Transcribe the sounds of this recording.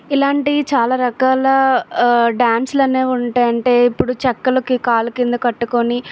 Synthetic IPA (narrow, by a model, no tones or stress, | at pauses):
ilaːɳʈit͡ʃaːlaːɾɐkaːlɐ | ɖaːnslɐne̞ːuɳʈeːjɐɳʈe̞ːipːuɽut͡ʃɛkːɐlɐkikaːlɐkind̪ɐkɐʈːukoni